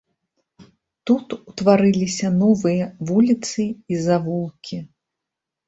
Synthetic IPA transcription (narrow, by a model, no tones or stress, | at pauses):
t̪ut̪ut̪vaɾɨlʲisʲɐnɔvɨjɐvulʲit̪sɨizavulˠkʲi